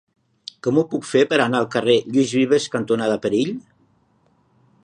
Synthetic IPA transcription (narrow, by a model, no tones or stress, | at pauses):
kɔmupukfepəɾənaəlˠkəreʎizβiβəskənt̪unaðəpəɾiʎ